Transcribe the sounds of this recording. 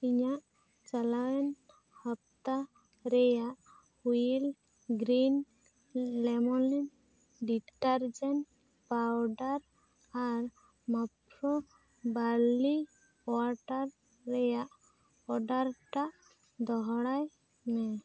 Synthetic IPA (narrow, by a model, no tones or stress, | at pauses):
iɲaʔ | t͡ʃalawɛn | hap̚t̪a | ɾɛjaʔ | hujil | ɡɾin | lɛmɔlɛn | ɖiʈaɾd͡ʒɛn | pawɖaɾ | aɾ | mapɾɔ | bali | aɾʈaɾː | ɛjaʔ | ɔɖaɾʈaʔ | d̪ɔɦɽaj | mɛ